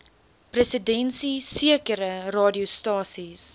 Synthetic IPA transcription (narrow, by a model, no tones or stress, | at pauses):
presədɛnsisiəkəɾərɑːdiostɑːsis